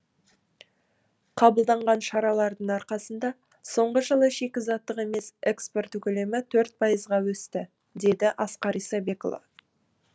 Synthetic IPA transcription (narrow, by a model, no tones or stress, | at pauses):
qʰɑbəlˠd̪ɑɴʁɑnʃɑɾɑlˠɑɾd̪əɴɑɾqɑsənd̪ɑ | so̞ɴʁəʒəlˠəʃe̞kʲɪzɑt̪ːəqe̞me̞sekspo̞rt̪ɵkʲɵle̞mɪt̪ʰɵɾt̪̚pʰɑjəzʁɑwɵst̪ɪ | d̪e̞d̪ɪʔɑsqɑɾijsɑbe̞ko̰lˠa̰